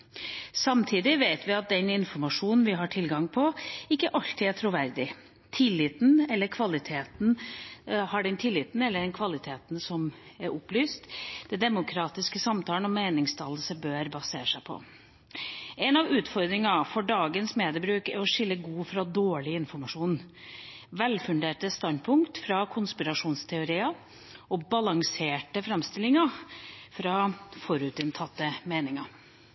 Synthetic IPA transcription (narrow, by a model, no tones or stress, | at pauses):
sɑmt̪ʰiːd̪ɪʋeɪt̪ʋɪɑt̪̚d̪ɛnɪnfɔɾmɑʂuːnn̩ʋɪɦɑʈʰɪlɡɑŋpʰɔɪkːəʔɑlt̪ɪæʈʰɾʊʋæɾd̪ɪ | t̪ʰɪlːɪt̪n̩ɛlːəɾkʰʋɑlɪt̪ʰeːt̪n̩ | hɑɖɛnt̪ʰɪlːɪt̪n̩ɛlːəɖɛnkʰʋɑlɪt̪ʰeːt̪n̩sɔm | æɾʔʊplyːst̪d̪̥ɛd̪ɛmʊkʰɾɑːt̪ɪskəsɑmt̪ʰɑːlnɔmeɪnɪŋst̪ʰɑːləsəbøːɾbɑsḛːʂæɪpʰɔ̰ | ɛnɑʋʉːt̪fɔɾd̪ɾɪŋɑfɔɖɑːɡənsmeːd̪əɾbɾʉːkɛ̰ɾɔʂɪlːəɡuːfɾɑd̪oːɭɪɪnfɔɾmɑʂuːn | ʋɛlfʉnd̪eːʈəst̪ɑnd̪pʰʊŋkt̪fɾɑkʰʊnspɪɾɑʂuːnst̪ʰɛʊɾiːɑ | ɔbɑlɑŋseːʈəfɾɛmst̪ɪlːɪŋɑfɾɑːfɔɾʉːt̪ɪnt̪ʰɑt̪ːəmeːnɪŋɑ